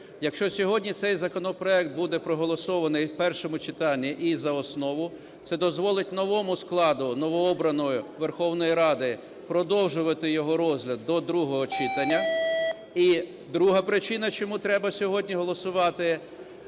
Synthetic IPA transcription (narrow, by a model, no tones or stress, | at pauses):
jɐkʃt͡ʃɔsʲɔɦɔdʲnʲit̪sɛjzɐkɔnɔpɾɔɛkt̪̚bud̪ɛpɾɔɦɔlˠɔsɔʋɐnɪjwpɛrʃɔmʊt͡ʃɪt̪ɑnʲːiʔizɐɔsnɔʋʊ | t̪sɛd̪ɔzʋɔlˠɪtʲnɔʋɔmʊsklˠɑd̪ʊnɔʋɔɔbɾɐnɔjʊʋerxɔwnɔjiɾɑd̪ɪ | pɾɔd̪ɔwʒʊʋɐt̪ɪjɔɦɔɾɔzʲɦlʲɐd̪ːɔd̪ɾuɦɔɦɔt͡ʃɪt̪ɐnʲːɐ | i | d̪ɾuɦɐpɾɪt͡ʃɪnɐt͡ʃɔmut̪ɾɛbɐsʲɔɦɔdʲnʲiɦɔlˠɔsʊʋɑt̪ɪ